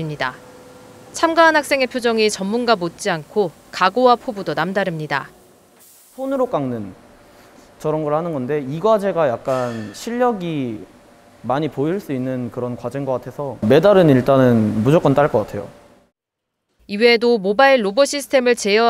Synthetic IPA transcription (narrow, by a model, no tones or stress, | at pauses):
imɲida̰ | t͡ɕʰamɡaːnɦak̚s͈e̞ŋe̞pʰjod͡ʑʌŋit͡ɕʌmːunɡamot̚t͡ɕ͈iankʰo | kaɡowapʰobudonamdaɾɯmɲida̰ | sʰonɯɾok͈aŋnɯn | t͡ɕʌɾʌnɡʌɾɭhanɯnɡʌnde̞iɡwad͡ʑe̞ɡajak̚k͈anɕʰiʎːʌɡi | maɲipoiɭs͈uinːɯnkɯɾʌnkwad͡ʑiŋɡʌk͈atʰe̞sʰʌme̞daɾɯniɭt͈anɯnmud͡ʑok͈ʌnt͈aɭk͈ʌk͈atʰe̞jo̰ | iwe̞domobaiɭːoboɕʰisʰɯ̥tʰe̞mɯɭt͡ɕe̞jʌ